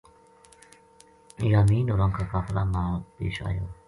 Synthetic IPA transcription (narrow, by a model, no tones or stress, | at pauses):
ijaːmiːnoɾãŋkʰakaːflamapḛːʃa̰ːjaː